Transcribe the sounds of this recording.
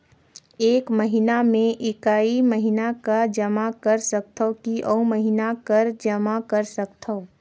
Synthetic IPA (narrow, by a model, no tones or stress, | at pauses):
eːkməɦɪnamẽʔɪkaːiməɦɪnakad͡ʒəmakɐɾsək̚t̪ʰəokiʔɔməɦɪnakəɾd͡ʒəmakəɾsəkt̪ʰəo